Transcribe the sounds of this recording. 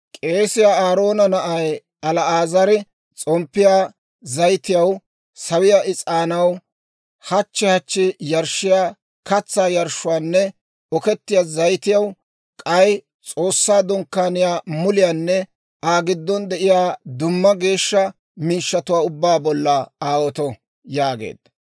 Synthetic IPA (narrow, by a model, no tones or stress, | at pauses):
kʼe̞ːsɪjaːaːɾo̞ːnɐnɐʔɐj | ɐlɐaːzɐɾɛ | t͡sʼɔmpːɪjaː | zɐjt̪ɪjɐw | sɐwɪjaːʔɪt͡sʼaːnɐw | hɐt͡ʃːɛhɐt͡ʃːɪjɐɾʃɪjaː | kɐt͡sːaːjɐɾʃʊwaːnːɛ | ɔkɛt̪ːɪjaːzɐjt̪ɪjɐw | kʼɐj | t͡sʼo̞ːsːaːd̪ɔŋkːaːnɪjaːmʊlɪjaːnːɛ | ʔaːɡɪd̪ːɔnd̪ɛʔɪjaːd̪ʊmːɐɡe̞ːʃːɐ | miːʃːɐt̪ʊwaːʊbːaːbɔlːɐaːwɔt̪ɔ | jaːɡḛːd̪̥̚ɐ